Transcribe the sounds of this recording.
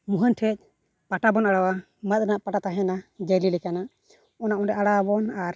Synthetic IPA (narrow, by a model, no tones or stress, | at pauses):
muɦənʈʰɛc̚ | paʈabɔnaɽawa | mət̪̚ɾɛnaʔpaʈat̪aɦɛnad͡ʒəlilɛkanaʔ | ɔnaʔɔnɾɛʔaɽabɔnaɾ